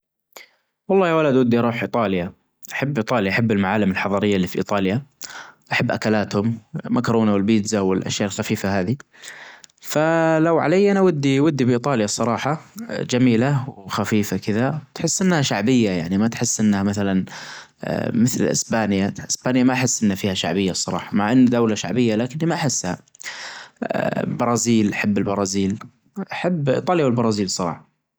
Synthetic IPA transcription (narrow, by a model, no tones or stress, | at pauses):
wɑlˤːɑːjawalad̪wad̪ːiʔɑɾˤuːħʔit̪ˤɑːlja | ʔaħabːʔɨːt̪ˤɑːljaʔaħabːɪlmaʕaːlɪmɪlħɑðˤɑɾɪjːalːiːfiʔḭːt̪ˤɑːljaʔaħabːʔakalaːt̪hʊmmakɾˤuːnawɪlbiːd̪zawɪlʔa̰ʃjaːʔɪlxafiːfahaːði | falawʕa̰lajːʔanawad̪ːiwʊd̪ːibʔiːt̪ˤɑːljasˤɑɾˤɑːħɑd͡ʒamiːlawxafiːfakɪðat̪ħɪsːʔɪnːhaʃaʕbɪjːajaʕnimat̪ħɪsːʔɪnːhamaθalan̰ | mɪθlʔɪ̰sbaːnjaʔɪsbaːnjamaʔħɪsːʔɪnːafiːhaʃa̰ʕbɪjːasˤɑɾˤɑ̰ːħɑmaʕʔanːd̪awlaʃa̰ʕbɪjːalaːkɪnːimaʔaħɪsːha̰ | bɑɾˤɑːziːlʔaħabːɪlbɑɾˤɑːziːl | ʔaħabːʔt̪ˤɑːljawɪlbɑɾˤɑːziːlsˤɑɾˤɑ̰ːħɑ